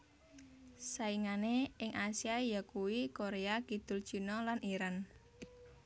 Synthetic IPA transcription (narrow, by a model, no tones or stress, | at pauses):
saiŋaneɪŋʔasiajakuwikoɾeakid̪̥ʊ̤l̥ʒ̥ṳnɔlaniɾan